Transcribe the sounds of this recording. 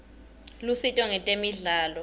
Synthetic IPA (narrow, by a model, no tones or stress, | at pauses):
lusitʼɔŋɛtʼemiɮaːlɔ